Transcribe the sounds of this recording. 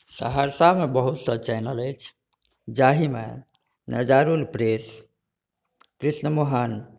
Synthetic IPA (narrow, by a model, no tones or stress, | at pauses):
sə̰ɦaɾsamebəɦut̪sət͡ʃɛjnələjt͡ʃʰ | d͡ʒaɦimḛ | nəd͡ʒaɾulpɾes | kɾisnəmoɦən